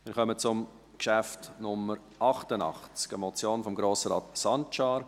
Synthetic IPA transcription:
mɪːɾχœmət͡sʊm | kʃæftnʊmːəɾ | ʔɑχtənɑ̰χt͡skəmɔt͡sjoːnfɔmɡɾoːsəɾɑːtsɑnt͡ʃɑːɾ

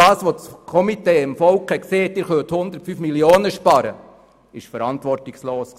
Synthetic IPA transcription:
ɑːsʋot͡skʰɔmiteːɪmfɔlkɛkseːt̪ːɪɾχøːthʊnd̪əɾtfyːfmilioːnəʃpɑɾə̰ | ɪʃfəɾɑntʋɔrtɪksloːsk

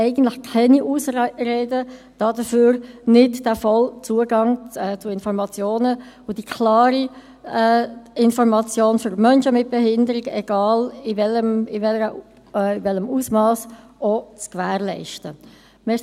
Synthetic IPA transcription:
ɛɪɡən̩tləxkʰɛniʔusɾeːdə | d̥ɑːdəføːɾnɪdd̥æfɑlt͡suːəɡɑŋɛt͡sʊɪnfɔɾmɑt͡sjoːnə | ʊd̥ikʰlɑːɾi | ɛɪnfɔɾmɑt͡sjoːnføɾmœnʃəmɪt̚b̥ɛɦɪndəɾɪɡɛɡ̥ɑːlɪvɛləmɪvɛlə | ɪvɛləmuːsmɑːs | ot͡skvæːʁlɛ̰ɪʃtə | mɛ

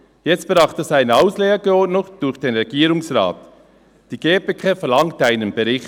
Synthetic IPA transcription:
jɛt͡st̚b̥ɾɑχtɛsaɪnəaʊsleːəɡəɔdnʊkd̥ʊçd̥eːnʁɛɡiːɾʊŋsra̰ːt | d̥iːɡ̥eːpekʰeːfɛɐlɑŋtaɪnənbəɾɪxt

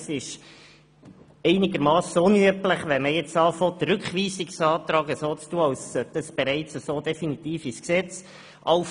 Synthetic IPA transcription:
sɪʃ | ɛɪnɪɡəɾmɑːsonyəpləχʋɛməjɛt͡sɑːfɔt̪ɾʉkχʋiːsiksɑːt̪ɾɑːɡəsoːt͡stuəɑwsød̥̪ɑsb̥ɛɾɛɪt͡səsoːd̪ɛfinit̪iːfisksɛt͡s | ʔɑwf

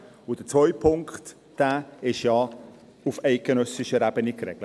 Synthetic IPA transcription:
ʊd̥ət͡svɔʏpʰʊŋkχt | d̥æːɪʃjɑ | ufɛɪt̚ɡ̥enœsɪʃəɾæbənɪkɾɛɡlə

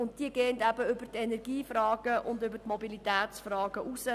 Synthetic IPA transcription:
ʊnt̚diəɡeːəndæbəʏbəɾt̪ɛnɛrɡ̥iːfrɑːɡ̥əʔʊndʏbəɾtmɔbilit̪æːt̪t͡sfrɑːɡ̥əʔusə

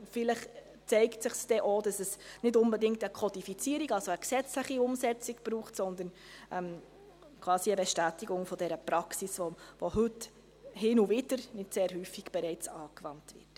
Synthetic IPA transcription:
fɪlɪχ | t͡sɛɪktsɪχsd̥ɛʔoːd̥ɑsɛsnɪdʊnbɛdɪŋk̚təkʰɔdifit͡siːəɾiɡɑlsoəksɛt͡slɪχiʊmsɛt͡siɡb̥ɾuːχtsɔnd̪ən | ʔɛm | kʰv̥ɑːsiəbɛʃtæːtiɡʊŋfɔd̥ɛɾəpɾɑksisovoɦɵt | hɪnuvɪdəɾnɪdseːɾɦyːfːiɡ̥b̥ɛɾɛɪt͡sɑːkvɑntv̥ɪ̰t

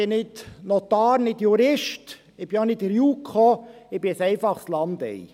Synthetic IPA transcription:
ɪnɪdnɔt̪ɑːɾnɪdjuɾɪʃt | ɪb̥ɪɔnɪdəɾjuːkχɔɪbɪɛsɛɪfɑχslɑnd̥̪ɛ̰i

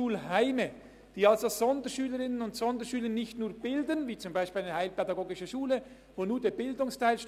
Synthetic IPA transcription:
uːlɦaɪmə | d̥iːalsoz̥ɔndəʃyːləɾɪnənʊntsɔndəʃyːlənɪçtnuːɐb̥ɪldənviːt͡sʊmbaɪʃpiːlaɪnəhaɪlpɛdɑɡoːɡɪʃəʃuːlə | voːnuːdeːbɪldʊŋstʰaɪlʃ

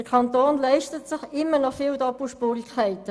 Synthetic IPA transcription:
əkʰɑntoːnlɛɪʃtətsɪχɪmːənɔfiːldɔpl̩ʃpuːɾɪkʰɛɪtə

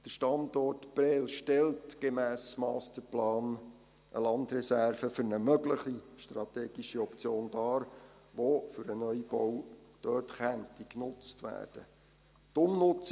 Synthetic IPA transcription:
d̥əʃtɑndɔrtb̥ɾɛlʃtɛltɡ̥emæːsmɑːstəplɑːn | ʔə̰lɑndɾɛsærvəfʏɾnəmœɡləχiʃtrɑt̪eːɡiʃiɔpt͡sjoːnd̥ɑːɾ | ʋofʏɾənœʏibɔwd̥œːtχæntiknʊt͡stʋæ̰ːrd̥ə | tʊmnʊt͡s

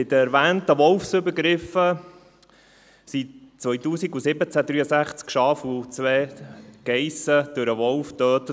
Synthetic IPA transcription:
ɪd̪əɛɾʋæːntəʋɔlfsʏbəɾɡɾɪfə | sitt͡sʋœjtuːsiɡusɪbət͡sæd̪ɾyːəsæχt͡skʃɑːfut͡sʋɛːɡ̥ɛjsəd̪̥ʊɾəʋɔlfd̪̥œːt̪

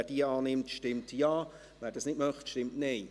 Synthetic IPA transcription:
ɛd̥iəɑːnɪmtʃtɪmtjɑː | vɛːɾdɑːsnɪtmœχtʃtɪmtneɪ

